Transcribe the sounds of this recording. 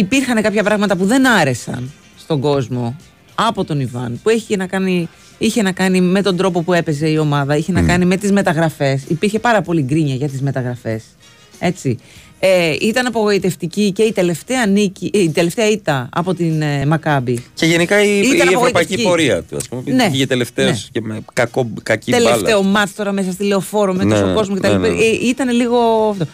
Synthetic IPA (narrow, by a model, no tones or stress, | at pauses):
ipiɾxɐnekɐpçɐpɾɐɣmɐt̪ɐpuðe̞nɐɾe̞sɐ̰n | st̪o̞ŋɡo̞zmo̞ | ɐpo̞t̪o̞nivɐ̰npue̞çice̞nɐkɐni | içe̞nɐkɐnime̞t̪o̞nd̪ɾo̞po̞pue̞pe̞ze̞io̞mɐðɐiçe̞nɐkɐnime̞t̪izme̞t̪ɐɣɾɐfe̞sipiɾçe̞pɐɾɐpo̞liɡɾiɲɐʝɐt̪izme̞t̪ɐɣɾɐfe̞s | e̞t͡si | eit̪ɐnɐpoɣo̞it̪e̞ft̪icice̞it̪e̞le̞ft̪eɐniciit̪e̞left̪eɐit̪ɐɐ̰po̞t̪inmɐkɐbiceʝenikɐiiɐnɐepoɣoitpɐiipo̞ɾiɐ̰t̪uɐ̰spumepnneɐt̪ele̞ft̪eoscemekɐkokɐcit̪elelfe̞omɐt̪t̪o̞ɾɐmesɐs̬t̪ile̞o̞fo̞ɾomet̪ɐst̪oko̞zmocet̪ɐlipɐit̪ɐne̞liɣo̞ɐft̪o